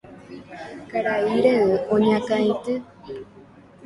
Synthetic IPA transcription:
kaɾaiɾeɨõɲãkãĩt̪ɨ

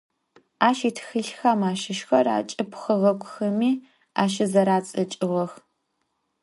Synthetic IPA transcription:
aːʃiːtʰxɨɬxɐmaːʃɪʃxɐra̰ːt͡ʃʼɨpʰxəɣɐkʷʼʰʊxɐmiː | a̰ːʃɪzɐɾaːt͡sʼɐt͡ʃʼɪʁɐx

